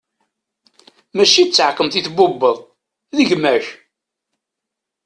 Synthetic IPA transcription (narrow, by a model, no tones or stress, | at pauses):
mæʃit͡sːʕəqːəmθiθbʊbːəðˤ | ðəʝmæç